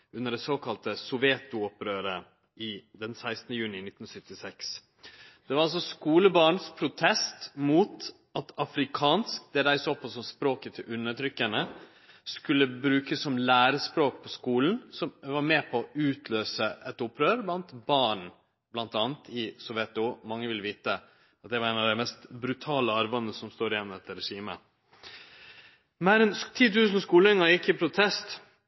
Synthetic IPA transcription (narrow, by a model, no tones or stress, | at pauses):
ʉnːəɖɛsoːkʰɑlt̪əsɔʋjɛt̪ʊɔpɾøːɾə | ɪd̪ɛnsæɪst̪nəjʉːnɪnɪt̪ːn̩sʏt̪ːɪsɛks | d̪̥ɛʋɑɾɑlsɔskuːləbɑːɳspʰɾʊt̪ʰɛst̪muːt̪ | ɑt̪ɑfɾɪkʰɑːnsk̚d̪ɛɾæɪsɔpʰɔsɔmspɾoːkət̪ʰɪʔʉnːəʈ̪ʰɾʏkːənə | skʉlːəbɾʉːkəsːɔmlæːɾəspɾoːk̚pʰɔskuːln̩sɔmʋɑɾmeːpʰɔʉːt̪ʰløːsəʔɛt̪ʊpʰɾøːɾblɑnt̪bɑːɳ | blɑnt̪ɑːnt̪ʰɪsɔʋjɛt̪ʊmɑŋːəʋɪlʋiːt̪ə | ɑt̪̚d̪ɛʋɑɾæɪnɑʋd̪æɪmɛst̪bɾʉt̪ʰɑːləɑɾʋɑnəsɔmst̪oːɾɪjɛnmd̪ɛt̪ːəɾɛʂiːmə̰ | meːɾɛnt̪ʰiːt̪ʉːsn̩skuːlɛŋɑɾjɪkːɪpʰɾʊt̪ʰɛst̪